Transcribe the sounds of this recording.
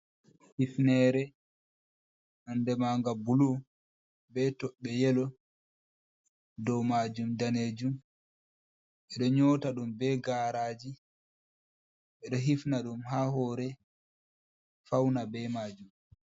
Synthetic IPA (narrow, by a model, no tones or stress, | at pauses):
hifnɛːɾɛ | nɔndɛmaŋɡabulu | bɛtɔɓɛjɛlɔ | dɔwmaːd͡ʒumdaneːd͡ʒum | ʔɛɗɔɲɔːtaɗumbɛːɡaːɾaːd͡ʒi | ʔɛɗɔɦifnaɗumɦaɦɔːɾɛ | fawnabɛmaːd͡ʒum